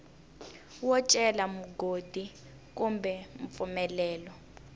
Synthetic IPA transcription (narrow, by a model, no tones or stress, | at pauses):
wɔt͡ʃʼɛlamuɡʱod̥ʱi | k̬ʼumbʱɛɱp̪fumɛlɛːlɔ